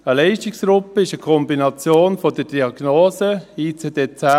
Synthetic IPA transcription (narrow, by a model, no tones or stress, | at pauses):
əlɛɪʃtɪksɡɾʊpːəɪʃəkʰɔmbinɑt͡sjoːnfodəɾdiɑɡ̥noːzəiːt͡seːdeːt͡sa